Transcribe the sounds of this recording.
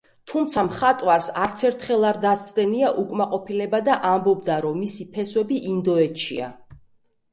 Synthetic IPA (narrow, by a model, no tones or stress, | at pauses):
t̪ʰumt̪sʰamχat̪ʼwaɾsaɾt̪sʰɛɾt̪ʰχɛlˠaɾd̪at̪sʰʼd̪ɛniaʔukʼmaqʼɔpʰilɛbad̪aʔambɔb̚d̪aɾɔmːisipʰɛswɛbiʔind̪ɔɛt̪ʃḭa̰